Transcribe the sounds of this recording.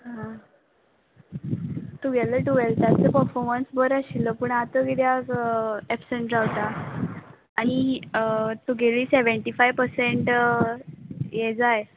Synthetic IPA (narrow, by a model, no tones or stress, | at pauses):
ɦã | t̪uʋaləʈuʋelt̪at͡səpəɾfɔɾmənsbəɾaɕilːəpuɳat̪əɡid̪jaɡɛpsəɳʈd͡zawt̪aː | ɽi | t̪uɡʱeliːseʋəɳʈifajʋpəɾseɳʈ | jed͡zaj